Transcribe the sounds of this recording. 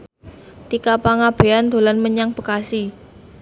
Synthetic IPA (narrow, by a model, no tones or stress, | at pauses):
t̪ikapaŋab̥e̤and̪̥o̤lanməɲaŋpəkasi